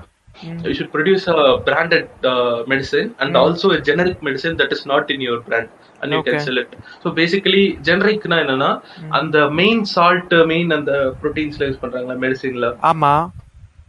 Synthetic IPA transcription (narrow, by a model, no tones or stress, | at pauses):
juːʃʊɖ̚pɾoɖjuːsɐbɾãːɳɖɛʈ̚mɛɖɪsɪnɐ̃ɳɖɔːlsoːed͡ʒɛnɛɾɪkmɛɖɪsɪ̃nd̪ɐʈɪsnɔːʈɪ̃njɔɐɾbɾãːɳɖ | ʔɐ̰̃njukɛ̃nsɛlɪʈsoːbeːsɪkɐlid͡ʒɛnɐɾɪkːnãːɛnːɐnːaːʔɐ̰nd̪ɐmẽɪnsaːlʈmeɪnɐnd̪ɐpɾoʈiːnslẽːspɐɳːɾaːŋɡɐɭaːmɛɖɪsɪ̃nɪlɐaːma